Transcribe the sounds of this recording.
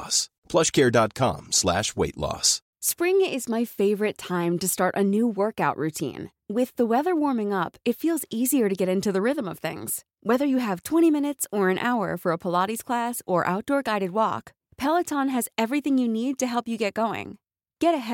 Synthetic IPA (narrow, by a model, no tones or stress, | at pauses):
s | pʰl̥ʌʃkʰɛɹdɑt̚kʰɑ̰̃mslæ̰ʃweɪtˡlɔ̰s | spɹɪ̃ŋɪzmaɪfeɪvə˞ɨtʰãɪ̃mtɨstɑɹɾʔɨ̰nuwɜ˞kaʊʔɹʉtʰḭ̃n | wɪðəwɛðə˞wɔɹmɪ̃ŋʌpɨtfilˠziziə˞ɾɨɡɛɾɪ̃ntʉðɨɹɪðə̃mʌv̥θɪ̰̃ŋz̥ | wɛðə˞jɨəv̥tʰw̥ɛ̃ɾ̃imɪ̃ñɨtsə˞ɨ̃nʔa̰ʊə̰˞fə˞əpʰəlɑɾiz̥kʰl̥æsə˞ʔa̰ʊt̚d̥ɔɹɡaɪɾɨd̚wɔ̰k | pʰɛlˠətʰɑ̃nɨzɛvɹiθɪ̃ŋjɨnid̚tɨɦɛlˠpjɨɡɛt̚ɡ̥oʊɪ̰̃ŋ | ɡ̥ɛɾɨɦɛ